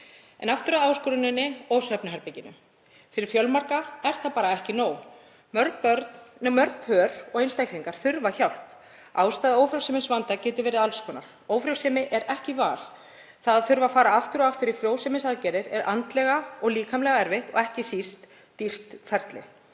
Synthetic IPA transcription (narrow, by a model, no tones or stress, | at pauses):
ɛ̰naft̪ʏɾaðaːwskɔɾʏnɪnːɪowsɛpnɪɦaɾpɛjcɪnːʏ̰ | fɪɾɪɾ̥fjœlmaɾkaɛɾ̥θapaːɾaɛhcɪnoːw | mœɾk̚pœɾt̪nmœɾkhœːɾ̥ɔɣejnst̪ajkliŋkaɾ̥θʏɾvaçawl̥p | aːwst̪aːðɪowfɾjowsɛːmɪnsvant̪acɛːt̪ʏɾvɛːɾɪðalskɔːna̰ɾ̥ | oːwfɾjowsɛːmɪʔɛɾɛhcɪvaːl | θaðaðθʏɾvafaːɾaaft̪ʏɾɔaft̪ʏɾifɾjoːwsɛmɪnsaðcɛɾɪɾɛ̰ɾʔant̪lɛɣaɔɣliːkʰamlɛɣaɛɾvɪht̪ɔ̰ɣɛhcɪsist̪ː | ir̥t̪fɛɾt̪lɪ̰